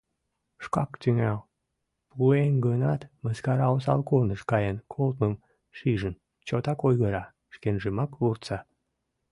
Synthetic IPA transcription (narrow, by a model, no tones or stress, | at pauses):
ʃkɑ̰kt̪yŋæl | puenɡənɑt̪məskɑɾɑosɑ̰lkolnəʃkɑjənkʰolt̪məm | ʃiʒən | t͡ɕot̪ɑkojɣəɾɑ | ʃkenʒəmɑkurt̪sɑ